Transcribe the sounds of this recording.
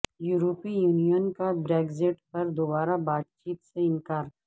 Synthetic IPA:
juːɾoːpijuːnijənkabɾeːɡzɪʈpɐɾd̪oːbaːɾabaːt̪̚t͡ʃiːt̪seɪ̃nkaːɾ

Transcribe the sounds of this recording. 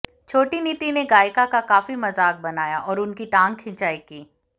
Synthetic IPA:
t͡ʃʰoːʈiniːt̪ineɡaːɪkakakaːfimɐzaːk̚bɐnaːjaʔɔːɾʊnkiʈãːŋɡkʰːɪ̃t͡ʃaːikiː

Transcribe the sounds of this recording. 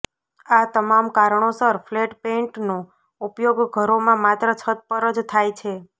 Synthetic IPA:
at̪əmamkaɾɳ̃osəɾfleʈpẽɳʈno | upjoɡɡʱəɾomãmat̪ɾət͡ʃʰət̪̚pəɾəd͡ʒt̪ʰajt͡ʃʰe

